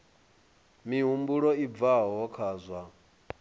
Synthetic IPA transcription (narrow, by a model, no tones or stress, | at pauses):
miɦumbuɺɔivaɦɔɦɔkʰaːzwa